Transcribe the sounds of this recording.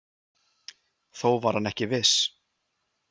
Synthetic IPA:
θowvaɾ̥hanɛhcɪvɪs

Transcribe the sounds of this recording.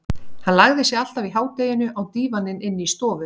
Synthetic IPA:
hanlaɣðɪsjɛɣal̥t̪aviɦaːwt̪ejɪnʏʔawt̪iːvanːɪnɪnːɪist̪ɔːvʏ

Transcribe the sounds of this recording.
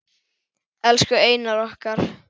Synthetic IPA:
ɛlskʏeːjnaɾɔhkaɾ̥

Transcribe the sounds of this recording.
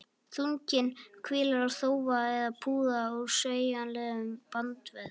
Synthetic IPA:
θuɲcɪnkʰvɪːlaɾawθoːwvaɛðapʰuːðaɔɣɾsœːɥjanlɛːɣʏmpant̪vɛð

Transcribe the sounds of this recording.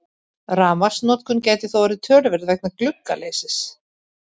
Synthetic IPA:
raːmḁsnɔːt̪kʏncaːjt̪ɪθowaɾɪt̪ʰœːɾvɛɾðvɛk̚naklʏkːa̰lejsɪs

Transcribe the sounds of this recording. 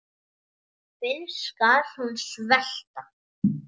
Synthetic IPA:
pɪnskaɾ̥hunsvɛl̥t̪a

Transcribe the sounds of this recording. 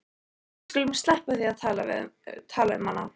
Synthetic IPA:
skʏlɪmʏ̥st̪lɛhpaθiaðt̪ʰaːlavɪ̰t̪ʰaːlavɪ̰manːa

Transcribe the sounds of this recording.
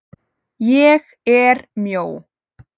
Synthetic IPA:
jeːx | eːɾmjow

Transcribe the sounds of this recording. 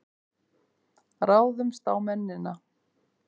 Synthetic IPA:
raːwðʏmst̪aːwmɛnːɪna

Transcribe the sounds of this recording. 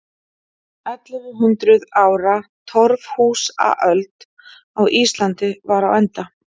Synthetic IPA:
œt̪lʏɾʏɦʏnt̪ɾʏðaːwɾat̪ʰɔɾvhuːsa̰ʔœlt̪ | awʔiːst̪lant̪ɪvaɾawɛnt̪a

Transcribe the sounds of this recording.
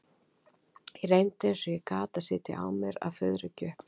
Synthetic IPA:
jɛɾejnt̪ɪɛnsɔjɛkaːt̪asɪːt̪ɪ̰ʔa̰ːwmjɛɾa̰wfʏðɾʏcœːhpn

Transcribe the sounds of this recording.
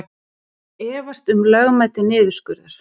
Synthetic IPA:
ɛːvast̪ʏmlœɣmaːjt̪ɪnɪːðʏ̥skʏɾðaɾ̥

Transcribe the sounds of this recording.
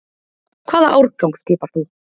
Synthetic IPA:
kʰv̥aːða̰ʔawɾkawŋkst̪iːpaɾ̥θu

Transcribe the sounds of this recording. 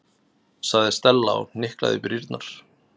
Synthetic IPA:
saɣðɪst̪ɛlːa̰wnɪhkla̰ðɪpɾiɾt̪naɾ̥

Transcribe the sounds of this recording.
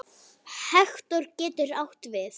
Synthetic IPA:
hɛxt̪ɔɾcɛːt̪ʏɾawht̪vɪθ

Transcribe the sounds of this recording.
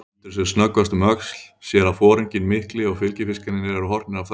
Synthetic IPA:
nt̪ɪɾ̥sɛsnœkvast̪ʏmœksl̥sjɛɾafɔːɾɪɲcɪnmɪhklɪɔɣfɪlcɪfɪskanɪnːɪɾɛɾʏɦɔr̥t̪nɪɾavθ

